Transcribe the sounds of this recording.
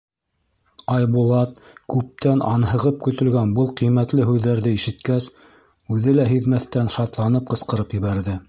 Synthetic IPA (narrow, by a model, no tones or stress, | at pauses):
ɑjbulˠɑt̪kʉp̚t̪ænɑnɦɤ̆ʁɤp̚kɵ̆t̪ɵ̆lɡænbɤlˠqijmæt̪lɘɦʉðːæɾðɘiʃɘ̆t̪kæs | ʉðɘlæɦiðmæθt̪ænʃɑt̪lˠɑnɤp̚qɤ̆sqɤ̆ɾɤpjɘ̆βæɾðɘ